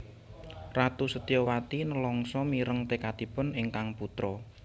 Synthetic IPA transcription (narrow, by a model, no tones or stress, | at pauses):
rat̪usət̪iɔwat̪inəlɔŋsɔmiɾəŋt̪ekad̪̥i̤pʊnɪŋkaŋput̪ɾɔ